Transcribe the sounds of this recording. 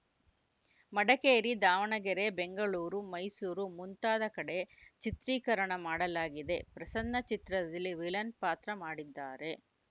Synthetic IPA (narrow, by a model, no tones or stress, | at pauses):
mɐɽɐkeːɾid̪aːʋɐɳɐɡɛɾe̞beŋɡɐɭuːɾumɐjsuːɾumunt̪aːd̪ɐkɐɽe̞t͡ʃit̪ɾiːkɐɾɐɳɐmaːɽɐlaːɡid̪e̞pɾɐsɐnd̪ɐt͡ʃit̪ɾɐd̪ɐlːiʋilɐnpaːt̪ɾɐmaːɽid̪ːaːɾe̞